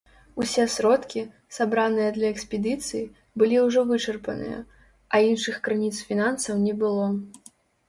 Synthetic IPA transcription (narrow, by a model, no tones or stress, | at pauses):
usʲɛsɾɔt̪kʲi | sabɾanɨjɐd̪lʲɐɛksʲpʲɛd̪ɨt̪sɨji | bɨlʲiwʐɔvɨt͡ʂɐrpɐnɨ̰jɐ̰ | ɐinʂɨxkɾɨnʲit̪sfʲinansɐwnʲɛbɨlˠɔ